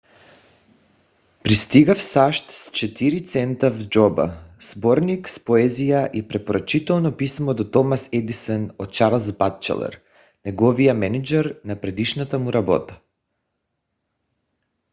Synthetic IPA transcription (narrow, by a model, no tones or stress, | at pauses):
pɾist̪iɡafsaʃt̪st͡ʃɛt̪iɾit̪sɛnt̪avd͡ʒɔba̰z̥bɔɾnikspoɛzijaʔipɾɛpoɾat͡ʃit̪ɛlˠnɔpismɔd̪ɔt̪ɔmasɛd̪isɛnɔt̪̚t͡ʃaɾlˠzbat̪t͡ʃɛ̰lˠɛ̰ɾ | nɛɡɔvijamɛnid͡ʒɛɾnapɾɛd̪iʃnat̪amuɾabɔ̰t̪ḁ